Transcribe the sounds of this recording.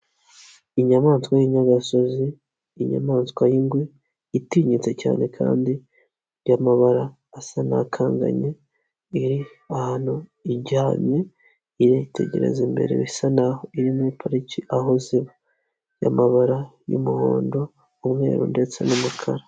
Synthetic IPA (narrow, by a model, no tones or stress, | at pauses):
iɲamaːnskwajiɲaɡaso̞ziː | ɲa̰maːnskwajiŋɡweː | tiːɲit͡se̞ca̰ːne̞kʰa̰ːndi | jamaβaɾaː | sana̰kʰaːŋɡa̰ɲe̞ | iɾi | ahanuiɟaːmɲe̞ | iɾejitʰe̞̰ɟe̞ɾḛzimbḛɾḛβisanahoiɾimipʰaɾiciʔaɦoziβa | ja̰maβaɾajṵmuho̰ːndo̞ | umŋe̞̰ːɾṵnde̞t͡se̞numukʰaɾa